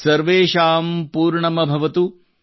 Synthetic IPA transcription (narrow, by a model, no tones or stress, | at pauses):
sɐɾʋeːʃaːmpuːɾɳɐmɐbʱɐʋɐt̪u